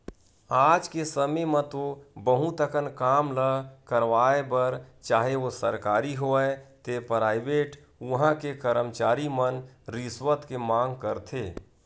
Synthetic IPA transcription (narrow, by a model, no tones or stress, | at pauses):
aːd͡ʒkesəmemə̃t̪obəɦũt̪əkənkaːmləkəɾʋaːebəɾt͡ʃaːɦeosəɾkaːɾiɦoɛt̪epɾaːɪbeːʈ | ʋəɦãkekəɾəmt͡ʃaːɾimənɾɪswət̪kemãːŋɡkəɾt̪ʰeː